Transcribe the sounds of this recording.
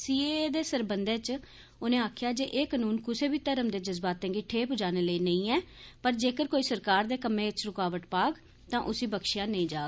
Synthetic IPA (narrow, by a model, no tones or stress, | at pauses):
siːeːd̪eːsəɾbənd̪eːt͡ʃ | oːnẽːaːkʰjaːd͡ʒeːʔeːkanuːnkʊseːbiːt̪əɾəmd̪eːd͡ʒəzbaːt̪ɦɛ̃ːŋɡeːʈʰeːpʊd͡ʒaːneːləiːnəĩːɛːpəɾd͡ʒeːkəɾkoːiːsəɾkaːɾd̪eːkəmẽːt͡ʃɾʊkaːʋəʈpaːɡ | t̪ãːʔʊsiːbəkʃɪjãːnəĩːd͡ʒaːɡ